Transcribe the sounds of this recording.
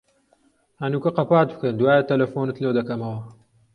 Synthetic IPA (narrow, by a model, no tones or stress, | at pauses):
hɐnuːkɐqɐpaːt̪̚bɨkɐnd̪waːjɐt̪ɐlɐfoːnɨt̪lɐwd̪ɐkɐmɐwɐ